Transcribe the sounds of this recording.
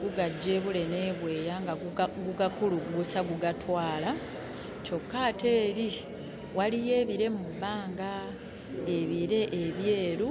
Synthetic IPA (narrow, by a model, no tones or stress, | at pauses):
ɡuɡaɟːeβule̞ne̞ːβwe̞ːjaŋɡaɡuɡakuluɡɡusaɡuɡatwaːla | co̞kːate̞ːɾi | walije̞ːβiɾe̞mubːaːŋɡa | e̞βiɾe̞ʔeβje̞ːɾu